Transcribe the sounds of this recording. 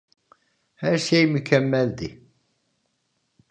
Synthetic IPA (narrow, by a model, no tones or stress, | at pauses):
hæɾsejməkʰːæmːælt̪i